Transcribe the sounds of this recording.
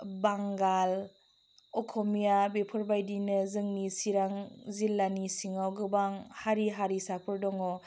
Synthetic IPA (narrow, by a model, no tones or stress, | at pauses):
baŋɡal | ɔkʰɔmijabepʰɔɾbajdinɯzɯŋnisiɾaŋzilːanisiŋawɡɯbaŋhaɾiɦaɾisapʰɯɾdɔŋɔ